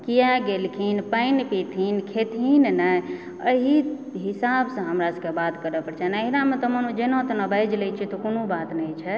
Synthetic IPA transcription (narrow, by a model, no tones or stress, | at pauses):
kijaɡelkʰinpəɪnpit̪ʰinkʰet̪ʰinnaj | ə̰ɦi | ɦisabsə̃ɦəmɾasə̃kebat̪kəɾɛpəɾt͡ʃʰɛnəɦiɾamẽt̪ɔmənud͡ʒenɔ̃t̪ɔnəbəjd͡ʒlɛt͡ʃʰit̪ɔkonobat̪nɛjt͡ʃʰɛ